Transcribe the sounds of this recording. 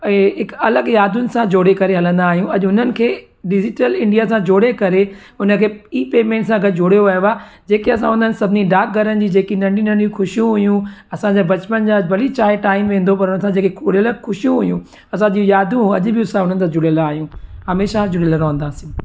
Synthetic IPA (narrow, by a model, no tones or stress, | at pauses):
ɛ̃ɦɪkɐləɡjaːd̪ʊnɪ̆sãd͡ʑoːɽekɐɾeɦɐlə̃nd̪aːɦijũʔɐʄɦʊn̤ənɪ̆kʰeː | ɖɪd͡ʑɪʈəlɪ̃ɳɖijasãd͡ʑoːɽekɐɾe | ʊnəkʰeːiːpeːmẽːɳʈsãɡʱɐd͡ʑoːɽijoʋɐɦjoaːd͡ʑeːkeɐs̬ãɦʊ̃nd̪ənɪ̆sɐbʱɪnĩɖaːk̚ɡʱɐɾənɪd͡ʑiːd͡ʑeːkinɐ̃ɳɖiːnənɪd͡ʑũxʊʃijũɦʊjũɐsãɲd͡ʑeːbɐt͡ɕpənd͡ʑaːbɐlit͡ɕaːɪʈaːɪmʋẽːn̆d̪opɐɾʊnəsãd͡ʑeːkeʊɽələɡxʊʃijũɦʊjũː | ɐsãʄiːũjaːd̪ʱũɦɐʄʊbɪʊsãʊnənɪ̆t̪ãd͡ʑʊɽjəlaːɦijũːɦɐmeːʃad͡ʑʊɽeləɾɐ̃ɦə̃nd̪aːsĩ